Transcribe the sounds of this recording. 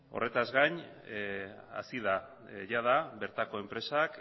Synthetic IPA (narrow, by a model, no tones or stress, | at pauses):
o̞̰re̞t̪azɣaɲ | a̰siða | ʝað̞aβe̞ɾt̪ako̞e̞mpɾe̞sak